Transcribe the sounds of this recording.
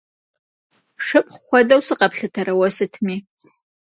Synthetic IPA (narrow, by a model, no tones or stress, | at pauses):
ʂɨpʼχχʷɔdɐwsɨqʼɐpɬɨtʰɐɾɐwɐsɨtʰmiː